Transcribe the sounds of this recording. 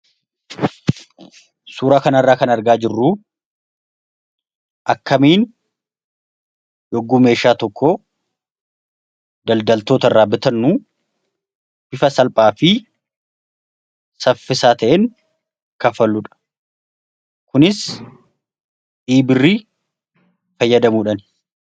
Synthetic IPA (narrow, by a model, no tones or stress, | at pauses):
suːɾaːkɐnɐrːaːkɐnɐɾɡaːd͡ʒɪrːu | ʔɐkːɐmiːn | jɔɡːuːme̞ːʃaːt̪ɔkʰːoː | d̪ɐld̪ɐlt̪oːt̪ɐrːaːbɪt̪ɐnːuː | bɪfɐsɐlpʼaːfɪ | sɐfːɪsaːt̪ɐʔeːŋ | kɐfɐlːʊᶑ̥ɐ̥ | kʊnɪs | ᶑiːbɪrːiː | fɐjːɐd̪ɐmuːᶑɐn